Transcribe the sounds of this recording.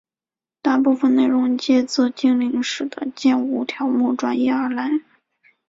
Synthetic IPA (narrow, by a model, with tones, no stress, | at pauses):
t̪a˥˧pu˥˩fə˨˩nne˥˩ɪɻʊ˧˥ŋt͡ɕjɛ˥˧t͡sɔ˥˧t͡ɕi˥˧ŋli˧˥ŋʂɻ̩˨˩d̪ə̰˦t͡ɕjɛ˥˧nu˧˥˩t̪ʰjɑ˧˥ʊmu˥˩ʈ͡ʂwa˥njɛ˥˩ə˞˧˥la˧˥ɪ